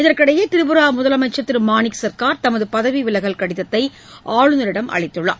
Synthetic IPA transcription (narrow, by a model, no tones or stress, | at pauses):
ɪðɐɾkɪɽɐjeːt̪ɪɾɯbɯɾaːmʊðɐlɐmɐt͡ʃːɐt̪ːɪɾɯmaːnɪksɐɾkaːɾt̪ɐmɐðɯpɐðɐʋiʋɪlɐɣɐɭkɐɽɪðɐt̪ːɐɪ | ʔaːɻɯnɐɾɪɽɐmʔɐ̰ɭɪt̪ːɯɭːɐ̰ː